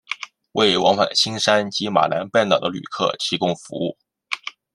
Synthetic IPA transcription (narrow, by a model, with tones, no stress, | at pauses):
we˥˩ɪwɑ˧˥ŋfa̰˨˩nɕi˥ŋʂa˥nt͡ɕi˧˥ma̰˨˩la˧˥npa˥˩nt̪ɑ˨˩ʊd̪ə˦ly̰˨˩kʰɤ̰˥˩t̪ʰi˧˥kʊ˥˧ŋfu˧˥ṵ˥˩